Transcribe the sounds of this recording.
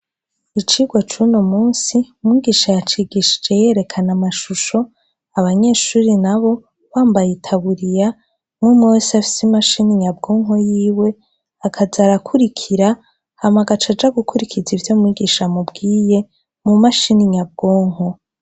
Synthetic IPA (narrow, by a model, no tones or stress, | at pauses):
it͡ʃiɡwat͡ʃunomuːnsiumŋiːɡiːʃajat͡ʃiɡiʃi̥d͡ʒe̞je̞ɾe̞kʰanamaʃuʃo̞ | aβaɲe̞ʃuːɾinaβo̞ | βaːmbajitʰaβuɾija | mŋumosiafi̥simaʃiniɲab̚ɡo̞ːŋɦo̞jiːwe̞ | akʰazaɾakʰuɾikʰiɾa | hamaɡat͡ʃad͡ʒaɡukʰuɾikʰizivjoːmŋiɡiʃamubɡiːje̞ | mumaʃiniɲab̚ɡo̞ːŋɦo̞